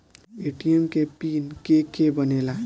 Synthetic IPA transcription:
eʈijemkepinkekebʌnela

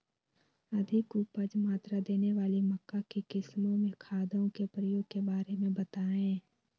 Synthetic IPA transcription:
ɐd̪ʱɪkupəd͡ʒmaːt̪ɾad̪eːneʋaːlimɐkːakekɪsmõmẽkʰaːd̪õkepɾəjoːɡ̚kebaːɾemẽbɐt̪aɛ̃ː

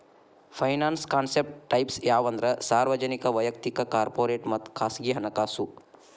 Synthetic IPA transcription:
pʰɐjnaːnskaːnsep̚ʈʈɐjpsjaːʋɐnd̪ɾɐsaːɾʋɐd͡ʒɐnikɐʋɐjɐk̚t̪ikɐkaːɾpoːɾeːʈmɐt̪kʰaːsɡiɦɐnɐkaːsu

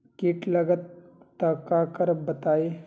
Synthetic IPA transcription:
kiːʈləɡət̪ː | əkakəɾbət̪ae

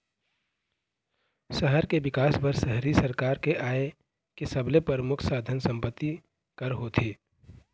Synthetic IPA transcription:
səɦəɾkebɪkaːsbəɾsəɦɾisɐɾkaːɾkeʔaːe | kesɐblepəɾmʊkʰsaːd̪ʱənsɐ̃mpət̪ːi | kɐɾɦoːt̪ʰeː

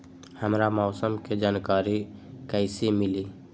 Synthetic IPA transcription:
həmɾamɔʊsəmked͡ʒaːnkaɾikəɪsemili

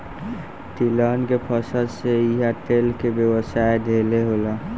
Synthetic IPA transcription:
ʈilaːnkepʰəsəlseiɦaʈeːlkebjəwəsaːed̪ʱeːleɦoːla

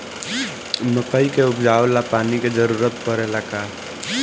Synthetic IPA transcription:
məpəikeʊpd͡ʒaːwlapaːniked͡ʒəɾuːɾət̪pəɾelakaː

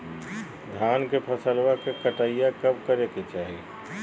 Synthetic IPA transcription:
d̪ʱjaːnkepʰəsəlwakekəʈaijakɐbkəɾeket͡ʃaːɦi

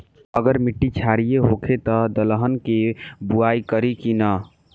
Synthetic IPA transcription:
əɡəɾmiʈːit͡ʃʰaɾijeɦokʰet̪ɔd̪ələɦənkebuaikəɾikinə

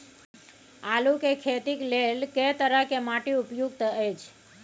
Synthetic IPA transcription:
alukekʰet̪iklelket̪əɾəkemaʈiupjuɡ̚t̪ʰəet͡ʃʰ

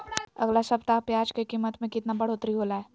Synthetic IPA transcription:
ɐ̰ɡlasɐbt̪apjaːd͡ʒkekiːmːət̪mẽkɪt̪nabɐɽ̤oːt̪ɾiɦoːlaɦɛː

